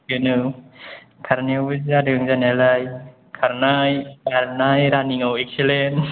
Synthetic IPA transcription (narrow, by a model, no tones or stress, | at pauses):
kɯnɯ | kʰaɾniawɯzadɯŋzanalaj | kʰaɾnajaɾnajɾaniŋawek̚selen